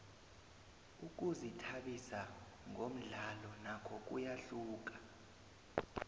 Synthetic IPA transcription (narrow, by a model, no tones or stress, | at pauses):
uk̬uzitʰaɓisa | ŋom̩ɮalɔnakʰɔk̬ujaɬuːk̬ḁ